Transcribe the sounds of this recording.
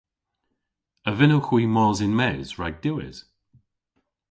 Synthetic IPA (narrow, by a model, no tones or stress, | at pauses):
əvɪnəwxwiːmɔːzɪnmɛːz̥ɹaɡ̚d̥ɪwɪ̰z̥